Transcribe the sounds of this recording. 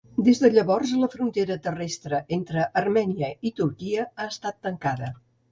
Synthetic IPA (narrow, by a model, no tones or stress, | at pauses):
d̪ezðəʎəβɔrzləfɾunt̪eɾət̪ərɛst̪ɾəʔent̪ɾəʔərmɛniəit̪uɾkiəaəst̪at̪ːəŋkaðə